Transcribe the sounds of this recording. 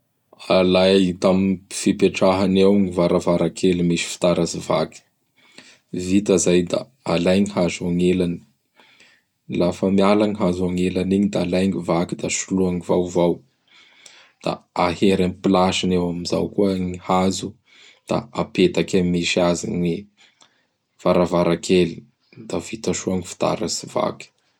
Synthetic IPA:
alajt̪aminfipeʈ͡ʂaɦanawŋivaɾavaɾakʰelimiʃi̥fi̥t̪aɾazivaki̥ | vit̪azajd̪a̰ | alajɲihazaŋelani̥ | lafəmialaŋiɦazaŋelaniɲid̪alajŋivakid̪aʃuluaŋivawvaw | d̪̥a̰aheɾampilaʃinewamiza̰wkuəŋihazu | d̪̥a̰apet̪akamiʃiazḭni | v̥aɾavaɾakʰeli | d̪avit̪aʃuaŋifi̥t̪a̰ɾasi̥va̰ki̥

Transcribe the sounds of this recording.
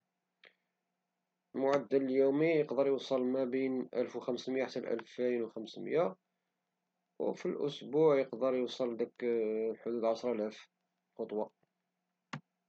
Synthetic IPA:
lmʊʕad̪ːəlljumijəqd̪əɾjəwsˤəlmæbinʔælfwxæmsmjaħat̪ːælʔæ̰lfinwxæmsmja | wfilʔʊ̰sbuʕjəqd̪əɾˤjosˤəld̪æklħʊd̪ud̪ʕɑsɾˤʔælæf | xot̪ˤwɑ

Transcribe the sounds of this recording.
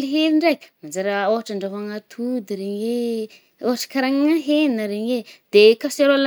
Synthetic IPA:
liɦeɾiɳɖ͡ʐajkʲmand͡zaɾaoɦaʈ͡ʂaɳɖ͡ʐaɦaŋat̪ʰud̪iɾeɲe | oɦaʈ͡ʂə̥kaɾaŋŋaɦennəɾeɲed̪̥ekaseɾal

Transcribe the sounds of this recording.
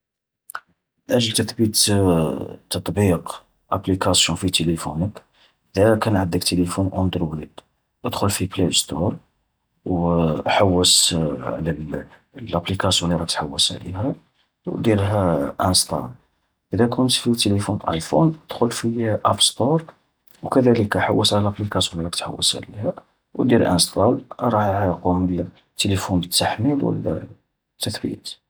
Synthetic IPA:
mənʔæʒəlt̪ət̪bit̪ | t̪ːɑt̪ˤbiq | ʔæplikæsjũnfit̪elifunək | ʔəd̪ækænʕəd̪əkt̪elifunʔnd̪ɾwlid̪ | ʔəd̪xʊlfiplest̪ɔɾˤ | wħawːəsʕlæl | lʔæplikæsjuniɾɑkt̪ħawːəsʕlḭɦæ | wd̪iɾɦæʔænst̪ɑ̰l | ʔəd̪ækʊnt̪fit̪elifunʔɑ̰jfund̪̥xʊlfiʔæfst̪oɾˤ | wkæd̪æləkæħawːəsʕlælʔæplikæsjunɾˤɑkt̪ħa̰wːə̰sʕlihæ | wd̪iɾʔæ̰nst̪ˤɑlɾˤɑjquməl | t̪ːelifunbət̪ːaħmilwə̰l̰ː | t̪ːəθbḭt̪

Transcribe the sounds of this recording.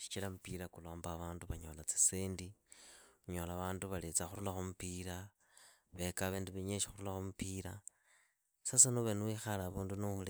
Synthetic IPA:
ʃi̥t͡ʃilamupiɾakuloːmbaβaːnduβaɲo̞̰ːlat͡si̥seːndi | uɲo̞laβaːnduβalet͡saxuɾulaxumupiɾa | βekaβeːndiβeɲeʃixuɾulaxomupiɾa | sasinoβenwixalaβuːndunuxule

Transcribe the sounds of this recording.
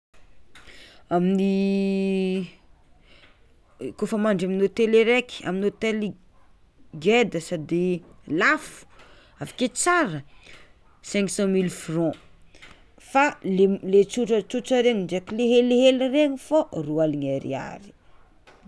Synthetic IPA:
amini | kofəmaɳɖ͡ʐaminot̪eleɾeki̥a̰minot̪eli | ɡed̪əsad̪elafu̥ | avḁket͡saɾə | sɛ̃ŋksɑ̃milfrɔ̃ | falelet͡suʈ͡ʂət͡sut͡ʃəɾeɲiɳd͡ʒekileɦeleɦelireɲiforualiɲaɾḭa̰ɾi̥

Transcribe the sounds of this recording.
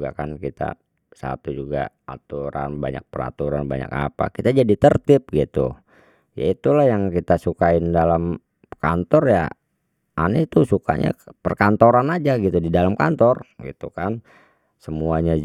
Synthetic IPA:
ɡa̰kankit̪a̰ | sa̰t̪ud͡ʒuɡa̰at̪uɾa̰nbaɲa̰k̚pəɾa̰t̪uɾanbaɲa̰ka̰pa̰kit̪ad͡ʒadit̪ərt̪ɪp̚ɡit̪ṵ | ja̰it̪ulahjaŋkit̪asukaɪndalam | kant̪ɔrja̰ | ʔanit̪usuka̰ɲa̰pərkant̪oɾanad͡ʒaɡit̪udidalamkant̪ɔrɡḭt̪ukan | səmuaɲa

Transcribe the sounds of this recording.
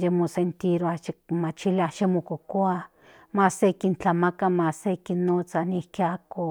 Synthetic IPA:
d͡ʒemusent̪iɾat͡ʃemat͡ʃilaʃemukokwa | masekint͡ɬamakamasekinot͡sanikeako

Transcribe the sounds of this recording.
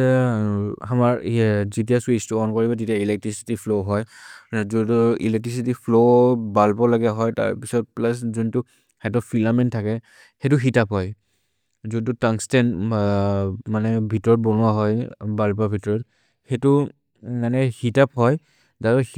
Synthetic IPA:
amaɹzitijaswistuɔnkɔɹibɔtitijailɛk̚tɹisi̥tipʰloɦɔjzutuḭlɛk̚tɹisitipʰlobalpɔlaɡɛɦɔjta̰ɹpisɔt̚plas̬zuntʊ | hatɔpʰilamɛntʰakɛ | hetʊxitapɦɔj | zudtutaŋstɛn | manɛbʱitɔɹɔt̚bɔnʊwaɦɔjbalpabʱitɔɹɔt | hetʊ | manɛhitapɦɔj | zaɹɔ

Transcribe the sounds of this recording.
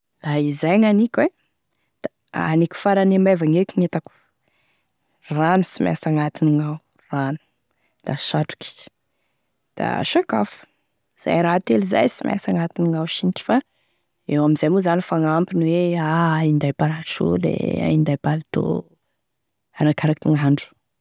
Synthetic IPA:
laizajŋanikʲwe | d̪̥a | anikʲu̥faɾanemavaŋekinet̪aku̥ | ramisima̰saŋat̪iniŋaw | ranu̥ | d̪̥aʃaʈ͡ʂu̥ki̥ | d̪̥a̰ʃaka̰fu̥ | z̥a̰jɾat̪eliza̰jsimʔa̰saŋat̪iniŋawʃinʈ͡ʂi̥fa | ewamizajmuzanifaŋampinweaind̪ajpaɾat͡ʃṵlḛa̰ind̪ajbalt̪o̰ | aɾakaɾakiŋaɳɖ͡ʐu̥

